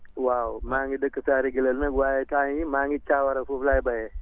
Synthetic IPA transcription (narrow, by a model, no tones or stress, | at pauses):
wawmaŋɡidəkːəsaɾiɡiləlnəkɡwajetaɲimaŋɡit͡ʃawaɾafuflajbaje